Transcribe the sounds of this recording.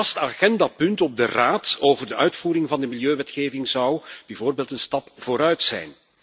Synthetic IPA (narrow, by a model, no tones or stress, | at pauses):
ɑstaɣɛndapɵntɔb̚dəraːtoːvərdəʔœɥtfuːɾɪŋvɑndəmiljøːʋɛtxeːvɪŋzɑwb̥ɛjvoːrbeːlˠtənstɑpv̥oːɾœɥtsɛ̰jn